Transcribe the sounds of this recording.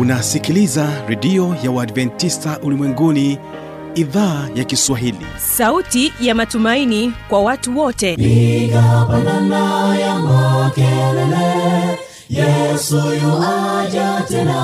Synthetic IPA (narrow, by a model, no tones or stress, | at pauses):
unasikilizaɾɛɗiɔjawaːdvɛntistaʔulimwɛŋɡuni | iðaːjakiswaɦilḭ | sautijamatumainikwawatuwɔtɛpiɡapananajamakɛlɛlɛ | jɛsujɔhad͡ʒatɛna